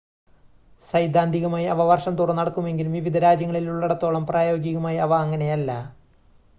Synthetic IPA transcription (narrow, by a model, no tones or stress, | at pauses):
sɐjd̪ʱaːnd̪ʱiɣumaːjiɐʋɐʋɐrʂɐmt̪urɐnːɐɽɐkːume̞ŋɡilumʋiʋid̪ʱɐɾaːd͡ʑjɐŋːɐɭiluɭːɐɽɐt̪ːo̞ːɭɐmpraːjo̞ːɡjɐɣumaːjɐʋɐːŋːɐne̞jɐlːɐ